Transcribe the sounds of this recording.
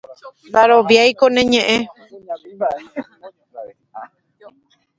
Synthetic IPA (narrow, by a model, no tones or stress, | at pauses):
nd̪aɾoʋjajkonẽɲẽ̞ʔẽ